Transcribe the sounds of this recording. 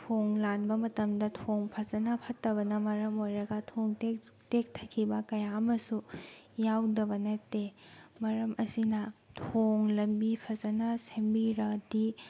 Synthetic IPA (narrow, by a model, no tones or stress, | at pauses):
tʰoŋlanbɐmɐtɐmdɐtʰoŋpʰɐzɐnɐpʰɐtːɐbɐnɐmɐɾɐmojɾɐɡɐtʰoŋte | tek̚tʰɐ̥kʰːibɐkɐjaɐmɐsu | jawdɐbɐnɐtemɐɾɐmʔɐsinɐtʰoŋlɐmbipʰɐzɐnɐsembiɾɐdi